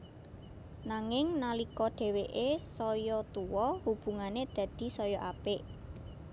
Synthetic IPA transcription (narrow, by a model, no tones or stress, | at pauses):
naŋɪŋnalikɔɖ̥ɛ̤weʔesɔjɔt̪uwɔhub̥ṳŋaned̪̥ä̤d̪̥i̤sɔjɔʔapɪʔ